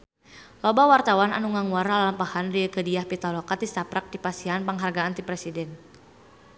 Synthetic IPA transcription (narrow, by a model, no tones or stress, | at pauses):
lɔbawart̪awana̰nuŋaŋuwaɾalampahanrikədiahpit̪alɔkat̪ist̪apɾak̚dipasianpəŋɦarɡaːnt̪ipɾɛsidɛn